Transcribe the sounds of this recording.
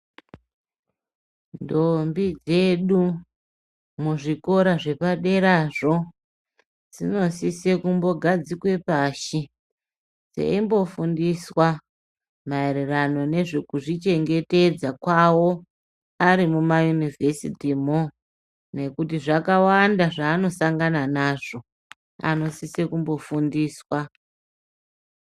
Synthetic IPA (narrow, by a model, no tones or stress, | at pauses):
ndombid͡zeɗu | muʐiko̞ɾaʐe̞paɗe̞ɾaʐo̞ | d͡zino̞sisekumbo̞ɡʱad͡zikwe̞paʃi | d͡zḛimbo̞fundiswa | maeɾerano̞ne̞ʐekuʐit͡ʃe̞ŋɡe̞te̞d͡zakwawo̞ | aɾimumajunive̞sitimo | ne̞kutiʐakawandaʐaːno̞saŋɡananaʐo̞ | a̰no̞sisekumbo̞fundiːswa